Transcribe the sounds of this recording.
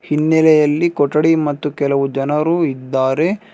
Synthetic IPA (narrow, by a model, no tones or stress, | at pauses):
hinːɛlɛjɐlːikɔʈːɐɽimɐt̪ːukɛlɐʋud͡ʒɐnɐɾuːid̪ːaːɾe̞